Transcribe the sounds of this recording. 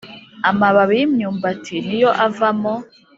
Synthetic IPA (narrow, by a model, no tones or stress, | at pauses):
amaβaβijimɲuːmbatʰinijoʔavamo